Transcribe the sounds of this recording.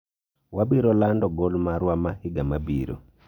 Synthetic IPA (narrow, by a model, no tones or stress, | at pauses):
wabiɾɔlandɔɡɔlmaɾwamahiɡamabiɾɔ̰